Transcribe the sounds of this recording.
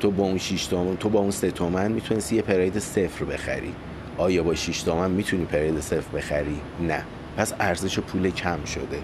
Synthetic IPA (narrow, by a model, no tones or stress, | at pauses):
t̪ʰobɒunʃiʃt̪omt̪ʰobɒːunset̪ʰomænmit̪ʰunest̪ijepʰeɾɒjed̪ese̞fɾbe̞xæ̰ɾḭ | ʔɒːjɒːbɒːʃiʃt̪ʰomænmiːt̪ʰuniːpʰeɾɒjed̪ese̞fɾbe̞xæɾi | næ | pʰæsæɾze̞ʃepʰuːlecʰæmʃo̞̰d̪e̞